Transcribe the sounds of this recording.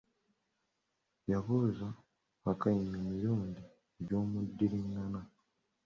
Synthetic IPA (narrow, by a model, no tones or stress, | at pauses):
jaβuzaː | kajimemiɾuːɲdi | ɟo̞ːmudːiɾiŋɡana